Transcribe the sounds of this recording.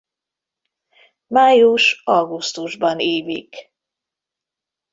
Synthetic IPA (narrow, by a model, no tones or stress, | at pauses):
maːjuʃɒɡust̪uʒbɒneːvḭk